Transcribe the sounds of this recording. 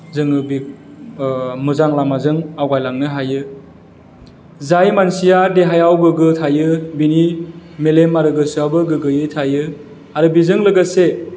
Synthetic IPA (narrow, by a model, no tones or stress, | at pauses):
zɯŋɯbi | muzaŋlamazɯŋawɡajlaŋnɯɦajɯ | zajmansijadeɦajawɡɯɡɯtʰajɯbinimelemaɾɯɡɯsɯabɯɡɯɡɯjɯtʰajɯ | aɾɯbizɯŋlɯɡɯse